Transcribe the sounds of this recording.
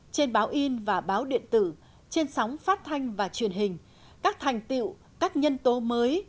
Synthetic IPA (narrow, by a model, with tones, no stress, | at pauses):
t͡ɕe˧nɓaː˨˦wʔi˧nvaː˨˩ɓaː˨˦wɗḭ˧˨ənt̪ɨ̰˧˩ | t͡ɕe˧nsɔ˨˦wŋ͡mfaː˦˥t̚t̪ʰa˧jŋ̟vaː˨˩t͡ɕwi˨˩ənɦï˨˩ŋ̟ | kaː˦˥k̚t̪ʰa˨˩jŋ̟t̪ḭ˧˨w | kaː˦˥k̚ɲə˧nt̪o˨˦məː˨˦j